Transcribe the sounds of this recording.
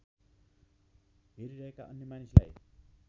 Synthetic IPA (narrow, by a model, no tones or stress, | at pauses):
ɦeɾiɾʌɦeka̰ʔʌnːjeʌmanisla̰j